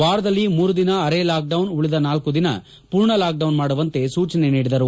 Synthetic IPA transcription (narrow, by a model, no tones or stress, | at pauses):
ʋaːɾɐd̪ɐlːimuːɾud̪inɐɐɾeːlaːk̚ɖɐwnuɭid̪ɐnaːlkud̪inɐ̰ | puːɾɳɐlaːk̚ɖɐʋnmaːɽuʋɐnt̪e̞suːt͡ʃɐneniːɽid̪ɐɾu